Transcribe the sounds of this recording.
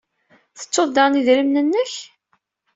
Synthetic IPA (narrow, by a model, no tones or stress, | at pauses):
θə̥t͡sːoðd̪ɑʁniðɾəmnənːəç